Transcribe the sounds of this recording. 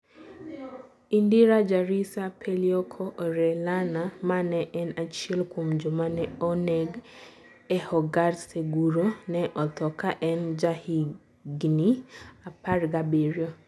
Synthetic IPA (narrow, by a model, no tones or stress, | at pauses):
indiɾad͡ʒaɾisapʰeljɔkʰɔʔɔɾɛlanamanɛʔɛnat͡ʃiɛlkomd͡ʒomanɛɔnɛɡ | ɛhɔɡaɾseɡuɾonɛʔɔt̪ɔkaʔɛnd͡ʒahi | ɡniaparɡabiɾjo